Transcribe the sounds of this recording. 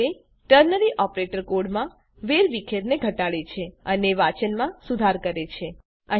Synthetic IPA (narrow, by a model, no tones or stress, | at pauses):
e | ʈəɾnəɾiʔɔpɾeʈəɾkoɽmã | ʋeɾʋikʰeɾneɡʱəʈaɭet͡ʃʰeəneʋat͡ʃənmãsud̪ʱaɾkəɾet͡ʃʰe | ə